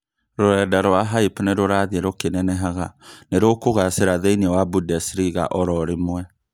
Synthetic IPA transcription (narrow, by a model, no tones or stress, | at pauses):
ɾoɛdaɾwaɦaipneɾoɾaðiɛɾokenɛnɛɦaɣaneɾokoɣaseɾaðeiniɛwabudɛsɾiɣa̰ʔɔɾɔɾemwɛ